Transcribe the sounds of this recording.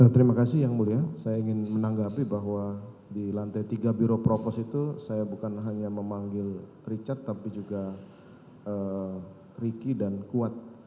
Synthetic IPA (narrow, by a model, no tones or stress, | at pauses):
ət̪əɾimakas̬ɪhjaŋmuliasajaiŋɪnmənaŋɡapibaɦwa | dilant̪ajt̪iɡabiɾopɾopɔsit̪usajabukanɦaɲaməmaŋɡɪl | rit͡ʃat̪ːapid͡ʒuɡa | ə | rikidankuat̪̚